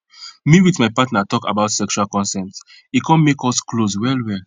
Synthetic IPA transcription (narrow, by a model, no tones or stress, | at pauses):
miwitmaɪpatnatɔka̰baʊtsɛkʃualkɔ̃nsɛ̃nt | ikʰɔ̃nmekɔskloswɛlwɛl